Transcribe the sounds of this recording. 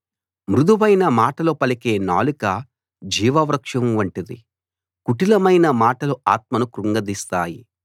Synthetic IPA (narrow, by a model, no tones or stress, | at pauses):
mɾud̪uʋɐjnɐmaːʈɐloːpɐlike̞ːna̰ːlukɐ | d͡ʒiːʋɐʋɾɐkʂɐmʋɐɳʈind̪ḭ | kuʈilɐmɐjnɐmaːʈɐluaːt̪̚mɐnukɾuŋɡɐd̪ist̪aːjḭ